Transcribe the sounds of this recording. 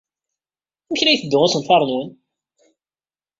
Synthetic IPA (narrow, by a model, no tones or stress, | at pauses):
məçlæjθəd̪ːʊʊsənfɑɾˤnwən